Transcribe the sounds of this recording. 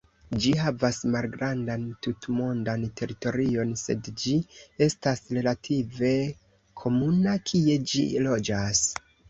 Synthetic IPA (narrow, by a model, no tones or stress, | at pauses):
d͡ʒiɦavasmalɡɾandantutmo̞ndantʰe̞ɾito̞ɾio̞nse̞̰dd͡ʒie̞stasɾe̞latʰive̞ | kʰo̞munakʰie̞d͡ʒḭlo̞d͡ʒas